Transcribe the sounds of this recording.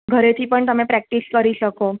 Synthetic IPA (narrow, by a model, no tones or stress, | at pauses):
ɡʱəɾet̪ʰiːpəɳt̪əmẽpɾæk̚ʈiskəɾiɕəko